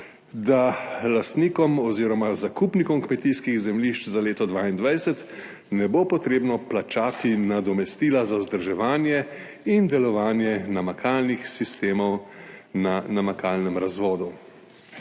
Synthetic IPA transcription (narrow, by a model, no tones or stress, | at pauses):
d̪alast̪niːkɔmɔziːɾɔmazakupnikɔmkmɛt̪iːskiɣzɛmliʃt͡ʃzaleːt̪ɔd̪ʋaːind̪ʋajsɛt̪ | nɛbopɔt̪ɾeːbnɔplat͡ʃaːt̪inad̪ɔmɛst̪iːlazawzd̪əɾʒɛʋaːnjɛ | ind̪ɛlɔʋaːnjɛnamakʰaːlnixsist̪eːmɔwnanamakaːlnɛmɾazʋɔːd̪u